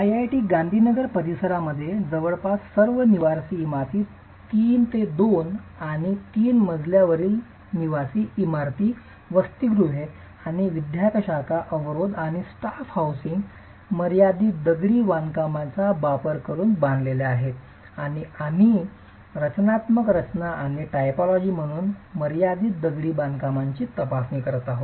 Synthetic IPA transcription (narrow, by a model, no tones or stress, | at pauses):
ajajʈiːɡãnd̪ʱiːnəɡəɾpəɾisəɾaməd̪ʱːjed͡zəʋəɭpassəɾʋəniʋaɾsiːmaɾt̪ʰiː | t̪iːnt̪ed̪onaɽ̃it̪iːnməd͡zʱljaʋəɾiːl | niʋasiːimaɾt̪iː | ʋəst̪iɡɾuɦe | aɽ̃iʋid̪ʱjakəɕakaʔəʋɾod̪aɽ̃isʈafhawsiŋɡ | məɾjad̪iːd̪əɡɭiːʋankamat͡sabapəɾkəɾuːnbãnd̪leleaɦet̪ | aɽ̃iami | ɾət͡ɕnat̪məkɾət͡ɕnaʔaɽ̃iʈajpɔlɔd͡ʑiːm̤əɽ̃uːnməɾjad̪iːd̪əɡɭiːbankamaɲt͡ɕiːt̪əpasnikəɾət̪aɦot̪